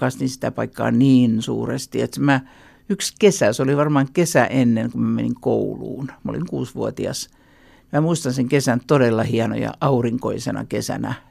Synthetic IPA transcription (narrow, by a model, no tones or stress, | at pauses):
kɑst̪insi̥t̪æpɑikːɑ̰ːniːnsṵːrest̪iet̪smæ | ykskesæsoliʋɑrmɑːŋkesæʔenːeŋkummæmeniŋkoulṵːnmo̰lḭŋkṵːsʋuot̪iɑ̰s | mæmuist̪ɑnseŋkesænt̪odelːɑhiɑno̰jɑ̰ɑuriŋkoisenɑ̰kesæ̰næ̰